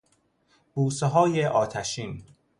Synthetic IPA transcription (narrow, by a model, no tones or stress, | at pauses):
b̥uːseɦɒːjeʔɒːt̪ʰæʃiːn